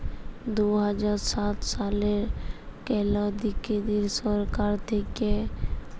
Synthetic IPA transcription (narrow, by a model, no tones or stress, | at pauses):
d̪uɦad͡ʒaɾsat̪saleɾkɛlɔd̪ikːed̪iɾsɔɾkaɾt̪ʰeke